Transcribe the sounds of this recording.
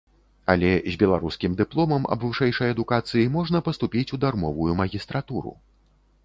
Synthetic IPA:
ɐlʲɛzʲbʲɛlˠaɾuskʲimd̪ɨplˠɔmɐmɐ̰bvɨʂɛjʂɐjɐd̪ukat̪sɨjimɔʐnɐpɐst̪upʲit͡sʲud̪armɔvujumɐɣʲist̪ɾat̪uɾṵ

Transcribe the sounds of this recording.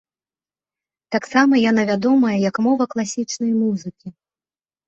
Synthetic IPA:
t̪aksamɐjan̪ɐvʲad̪ɔmɐjɐjɐkmɔvɐklˠasʲit͡ʂnɐjmuzɨkʲi

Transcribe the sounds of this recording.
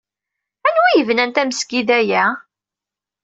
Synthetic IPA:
ænwijəvnænt̪æmsɡiðæjæ

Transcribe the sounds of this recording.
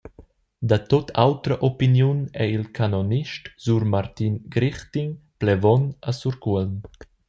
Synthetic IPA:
d̪at̪ot̪ʰawt̪ɾəʔopinjunɛilkʰanoniʃtz̥uɾmaɾt̪inɡɾiχt̪iŋplɛvɔnasuɾkuəln

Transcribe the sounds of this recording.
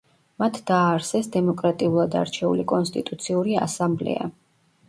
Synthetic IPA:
mat̪ʰd̪̥aːɾsɛsd̪ɛmɔkʼɾat̪ʼiulˠad̪a̰ɾt͡ʃʰɛṵlikʼɔnst̪ʼit̪ʼut̪sʰiuɾia̰samblɛ̰a̰

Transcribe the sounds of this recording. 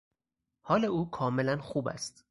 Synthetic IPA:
hɒːleuːkʰɒːmelænxuːbæ̰st̪

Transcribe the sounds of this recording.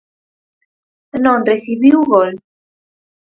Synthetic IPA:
nõnreθiβiuɣol

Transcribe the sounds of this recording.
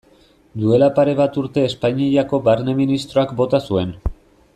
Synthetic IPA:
d̪ue̞lapaɾe̞β̞at̪uɾt̪e̞ːspaɲiejako̞baɾne̞minist̪ɾo̞akbo̞t̪asue̞n

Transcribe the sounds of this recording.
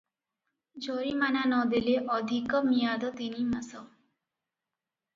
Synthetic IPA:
d͡ʒoɾimananɔd̪eleʔɔd̪ʱikɔmijad̪ɔt̪inimasɔ

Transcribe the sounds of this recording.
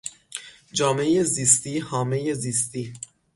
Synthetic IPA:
d͡ʒɒːmeejeziːst̪iːhɒːme̞jeziːst̪iː

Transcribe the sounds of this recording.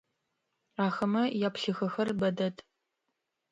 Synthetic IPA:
aːxɐmɐjaːpɬɨxɐxɐrbɐdɐtʰʼ

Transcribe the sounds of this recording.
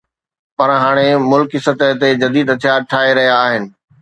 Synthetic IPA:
pɐɾɦaːɽ̃emʊlkɪsət̪əɦt̪ed͡ʑɐd̪iːd̪ɐt̪ʰijaːɾ̚ʈʰaːɦeɾɐɦijaːɦɪnɪ̆

